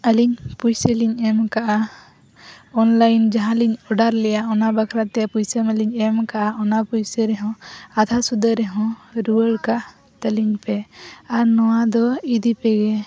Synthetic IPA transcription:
əliɲpujsəliɲɛmkaʔa | ɔnlajnd͡ʒaɦãliɲɔɖaɾlɛjaɔnabakʰɾat̪ɛpujsəməliɲɛmkaʔaʔɔnapujsəɾɛɦɔ̃ad̪ʱasud̪əɾɛɦɔ̃ɾuəɽkaʔ | t̪əliɲpɛaɾnɔwad̪ɔid̪ipɛɡɛ

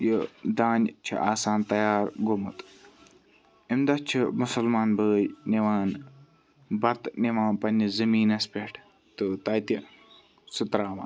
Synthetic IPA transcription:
jəd̪aːnʲt͡ʃʰḭʔaːsaːnt̪ɐjaːɾɡomɨt̪ | imd̪ɐt͡ʃʰimʊsɐlmaːnbəːjniʋaːn | bɐt̪niʋãːnpɐnʲizɐmiːnɐspʲeʈʰ | t̪ɨt̪ɐt̪i | sɨt̪ɾaːʋa̰ː

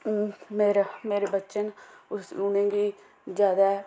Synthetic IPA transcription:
uːmeːɾameːɾeːbətːʃənʊsunẽːɡiː | d͡ʒjaːd̪aː

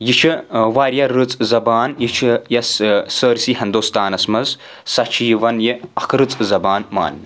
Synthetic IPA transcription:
jit͡ʃʰɨʋaːɾjɐɾɨt͡sʼzɐbaːnjit͡ʃʰjɐssəːɾsiɦɐnd̪oːst̪aːnɐsmɐz | sɐt͡ʃʰiːʋɐnjiɐkʰɾɨt͡sʼzɐbaːnma̰ːnː

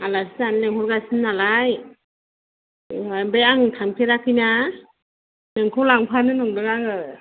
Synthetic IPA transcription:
alasɯanleŋhʰɔɾɡasɯnːalaj | abejaŋtʰamkʰeɾakʰɯjna | neŋkʰɔwlaŋpʰanɯnɔŋdɯɡaŋɯ

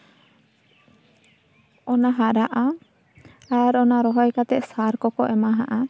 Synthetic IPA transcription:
ɔnaɦaɾaʔa | aɾɔnaɾɔɦɔjkat̪ɛʔsaɾkɔkɔʔɛmaɦaʔa

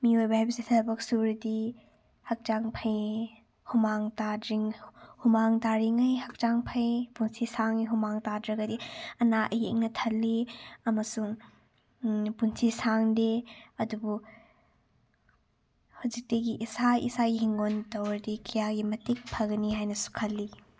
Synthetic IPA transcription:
miojbɐhajbɐsitʰɐbɐksuɾdi | hɐk̚taŋpʰɐj | humaŋtadɾiŋhumaŋtaɾiŋɐjhɐk̚taŋpʰɐjpunsisaŋiɦumaŋtadɾɐɡɐdiɐnaʔjḛŋ̚nɐtʰɐlːiɐmɐsuŋ | punsʰisaŋdeɐdubu | hawzik̚tɐɡiʔːsajʔḭsaɡiɦiŋɡontɐwɾdikʰijaɡimɐtik̚pʰɐɡniɦajnɐsu̥kʰɐlːi

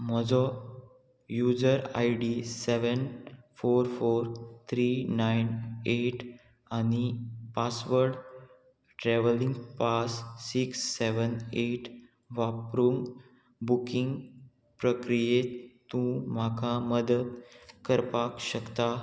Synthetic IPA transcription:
m̤əd͡zɔ | jud͡zəɾa̰jɖisɛʋənfoɾfoɾt̪ʰɾinajneʈ | anipasʋəɾɖ | ʈɾɛʋəlĩŋɡpasːiksːeʋəneʈ | ʋapɾuŋ | bukĩŋɡ | pɾəkɾijet̪ũm̤akʰaməd̪əd̪kəɾpakɕəkt̪a

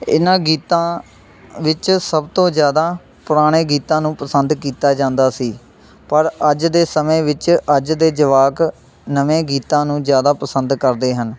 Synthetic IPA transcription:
ɪnãːɡiːt̪ãː | ʋɪt͡ʃsəbt̪õːzjaːd̪aː | pʊɾaːɽ̃eːɡiːt̪ãːnũːpəsənd̪kiːt̪aːd͡ʒãːnd̪aːsiː | pəɾəd͡ʒd̪eːsəmẽːʋɪt͡ʃəd͡ʒd̪eːd͡ʒəʋaːk | nəʋẽːɡiːt̪ãːnũːzjaːd̪aːpəsənd̪kəɾd̪eːɦən

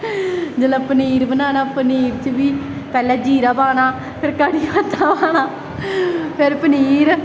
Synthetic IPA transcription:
d͡ʒələ̃ːpəniːɾbənaːnaːpəniːɾt͡ʃəbiː | pɛːlɛːd͡ʒiːɾaːpaːnaː | pʰɪɾkaːɽiːət̪ːaːpaːnaː | pʰɪɾpəniːɾ

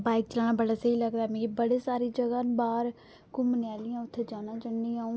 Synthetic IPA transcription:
baːɪk̚t͡ʃəlaːnaːbəɽaːseiːləɡd̪aːmɛ̃ːkibəɽeːsaːɾiːd͡ʒəɡaːnbaːɾ | kʊmnɪaːlɪjãːʊt̪ʰːed͡ʒaːnãːt͡ʃənːiːaːũː

